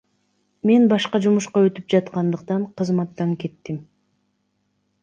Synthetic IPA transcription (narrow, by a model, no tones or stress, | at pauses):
me̞nbɑʃqɑd͡ʒumuʃqɑø̞t̪yp̚d͡ʒɑt̪̚qɑnd̪ɯqt̪ɑɴqʰɯzmɑt̪ːɑŋke̞t̪ːim